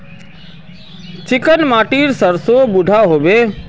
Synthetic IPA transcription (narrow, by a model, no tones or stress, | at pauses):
t͡ʃɪkənmaːʈiːɾsəɾsoːbʊɖʱaɦoːʋeː